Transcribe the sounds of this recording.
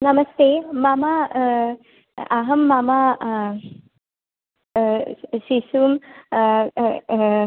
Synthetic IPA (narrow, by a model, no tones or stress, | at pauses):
nɐmɐst̪eːmama | aɦɐmːama | ʃisum